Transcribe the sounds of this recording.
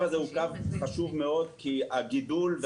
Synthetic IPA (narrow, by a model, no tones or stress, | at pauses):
vazeukavχaʃuvmeo̞d̪̚kiaɡid̪ulve